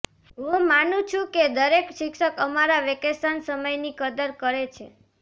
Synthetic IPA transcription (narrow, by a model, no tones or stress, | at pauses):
ɦũmanũt͡ʃʰũked̪əɾekʃɪkʃəkəmaɾaʋekesansəməjnikəd̪əɾkəɾet͡ʃʰe